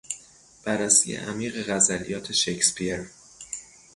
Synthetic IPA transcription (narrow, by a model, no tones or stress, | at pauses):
b̥æɾːæsḭjḛʔæmiːɣeɣæzælijɒːt̪ʰe̞ʃekspʰieɾ